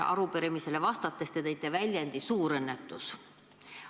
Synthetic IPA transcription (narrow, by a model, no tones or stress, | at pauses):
ʔɑ̰ɾupeɾemise̞le̞vɑst̪ɑt̪ːˑe̞st̪et̪ejt̪ːˑevælʲjend̪isuːɾɤnːet̪ːˑus